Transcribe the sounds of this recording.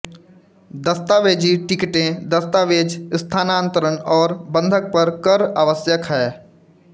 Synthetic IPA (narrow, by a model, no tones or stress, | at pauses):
d̪ɐst̪aːʋeːd͡ʒiʈɪkʈẽd̪ɐst̪aːʋeːd͡ʒst̪ʰaːnãːnt̪əɾənɔːɾbə̃nd̪ʱək̚pɐɾkəɾaːʋəsjəkɦɛː